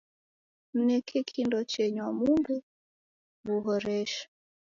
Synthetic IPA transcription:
m̩nɛkʰɛkʰindɔt͡ʃɛɲwamumbu | βuɦɔɾɛʃḁ

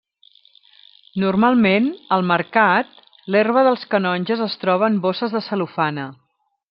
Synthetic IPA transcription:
nurmalˠmenəlˠməɾkat̪̚ | lerβ̞əðəlˠskənɔnʲʒəzəst̪ɾɔβəːmbosəzðəsəlufanə

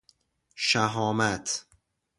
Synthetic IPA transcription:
ʃæɦɒːmæt̪ʰ

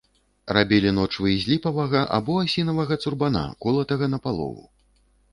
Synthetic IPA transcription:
rabʲɛlʲinɔt͡ʂvɨjzʲlʲipɐvɐɣɐʔa̰bɔasʲinɐvɐɣɐt̪surbana̰kɔlˠɐt̪ɐɣɐnɐpalˠɔ̰vṵ

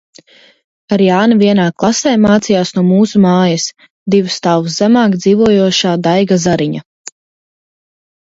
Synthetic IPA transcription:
aɾjaːnavʲiɛnaːklˠasɛːmaːt̪sijaːsnuɔmuːsumaːjɐs | d̪ivst̪awws̬zæmaːkd̪ziːvuɔjuɔʃaːd̪ajɡazaɾiɲa

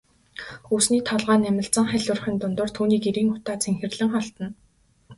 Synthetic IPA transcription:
xuːsniːt̪ʰɔɮʁaːnæmʲɪ̆ɬt͡sə̆ŋχæɮʊrχʲĭːnt̪ʊnt̪ʊ̆ːr̥t̪ʰuːniːkiɾiːŋʊt̪aːt͡sʰeŋxɘ̆rɮɘ̆ŋχɔɬt̪ə̆n

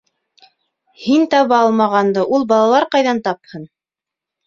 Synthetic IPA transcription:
hint̪ɑβɑɑlˠmɑʁɑnd̪ɤʔulˠbɑlˠɑlˠɑɾqɑjðɑnt̪ɑphɤn

